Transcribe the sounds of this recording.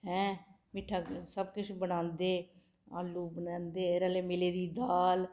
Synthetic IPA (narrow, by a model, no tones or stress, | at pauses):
ɦɛ̃ː | mɪʈʰːaːsəb̚kʊt͡ʃʰbənãːnd̪eː | aːlːuːbənãːnd̪eːeːɾaːleːmɪleːd̪iːd̪aːl